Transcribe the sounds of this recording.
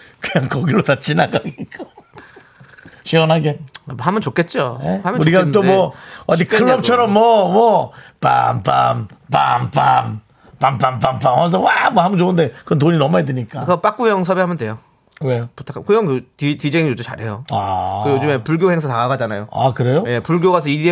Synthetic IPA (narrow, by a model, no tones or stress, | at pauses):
kɯɲaŋkʌɡilotat͡ɕ͈inaɡaɡika | ɕʰiʌnɦaɡe̞hamʌnt͡ɕok͈e̞t̚t͡ɕ͈ohamʌuɾiɡat͈omwʌʌdikʰɯɭːʌp̚t͡ɕʰʌɾʌmːwʌmwʌpa̰mpa̰mpa̰mpam | pampampamp͈amhʌns̬ʰʌwamwʌhamɯnd͡ʑoɯnde̞kɯʌnt̬oɲinʌmuedeɲik͈akɯʌp͈ak͈̚ujʌŋs̬ʰʌbeɦamjʌndwe̞jo | weputʰakʰakɯjʌŋtitɥid͡ʑeŋijod͡ʑumt͡ɕa̰ɾɦe̞joakɯjod͡ʑɯme̞puɭɡjoheŋsʰataɡaɡad͡ʑanajoa̰kɯɾe̞joje̞puɭɡjoɡasʰʌidie